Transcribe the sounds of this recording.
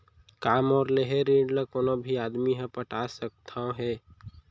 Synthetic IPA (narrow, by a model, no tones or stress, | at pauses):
kaːmɔːɾleɦeɾeːɖləkoːnobʱiaːd̪miɦə̃pəʈʰasək̚t̪ʰõɦɛ